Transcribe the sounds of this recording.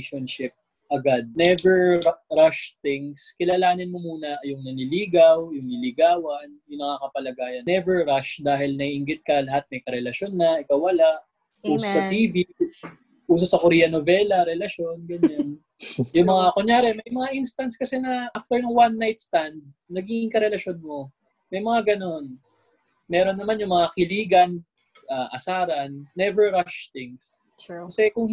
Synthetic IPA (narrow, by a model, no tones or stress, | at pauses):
ʃonʃɪp̚ | ʔɐɡad̪̚nɛvɛɹɾaʃt̪ɪŋskɪlaːlaːnɪnmomuːnɐʔjʊŋnɐnɪliːɡɐwjʊŋlɪlɪɡaːwɐnjʊŋnɐŋakɐpɐlɐɡaːjɐnɛvɛɹɾaʃd̪aːɦɪlnɐiʔɪŋɡɪt̪̚kɐlɐɦat̪̚mɐjkɐɾɛlɐʃonːɐʔɪkawːɐlaʔ | ʔuːsosɐt̪iːvi | ʔuːsosɐkʊɾiːjɐnovɛlɐɾɛlɐʃjo̞nɡɐɲan | jʊŋmɐŋakoɲjaːɾɛmɐjmɐŋaʔinst̪ɐnt̪skɐsɛnɐʔaft̪ɛɹnʊŋwanːajt̪̚st̪and̪̚ | nɐɡiɪŋkɐɾɛlɐʃo̞nmo̞ | mɐjmɐŋaɡɐno̞n | mɛːɾo̞nːɐmanjʊŋmɐŋakɪliːɡɐn | ʔaʔɐ̰saːɾɐnːɛvɛɹɾaʃt̪ɪŋs | kɐsɛkʊŋ